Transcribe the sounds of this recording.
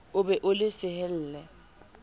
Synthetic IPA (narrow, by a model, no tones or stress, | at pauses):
ʊbɛʔʊlɪsɪhɛl̩ːlɛ